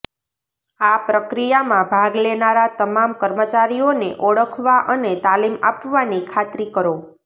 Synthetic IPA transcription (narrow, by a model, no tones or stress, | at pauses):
apɾəkɾijamãbʱaɡlenaɾat̪əmamkəɾmət͡ʃaɾijoneʔɔɭəkʰʋaʔənet̪alima̰pʋanikʰat̪ɾikəɾo